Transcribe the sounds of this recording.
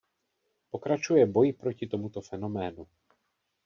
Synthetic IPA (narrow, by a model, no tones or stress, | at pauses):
po̞kɾat͡ʃujɛbo̞jpɾo̞cɪt̪o̞mut̪o̞fɛno̞mɛːnu